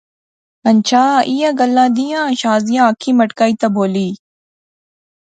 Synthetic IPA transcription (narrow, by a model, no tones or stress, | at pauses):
ɐnt͡ɕʰaːʔijãɡɐlːãːd̪ijãːʃaːzijãːɐkʰimɐʈkaːit̪ɐboːliː